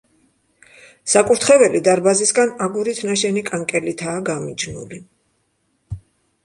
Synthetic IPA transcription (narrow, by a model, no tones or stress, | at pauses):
sakʼuɾt̪ʰχɛvɛlid̪aɾbazisɡanaɡuɾit̪ʰnaʃɛnikʼaŋkʼɛlit̪ʰaːɡamid͡ʒnṵli